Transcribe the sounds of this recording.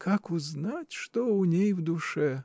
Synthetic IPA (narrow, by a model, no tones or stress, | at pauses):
kʰakʊznatʲʂt̪oʊnʲejvd̪ʊʂɛ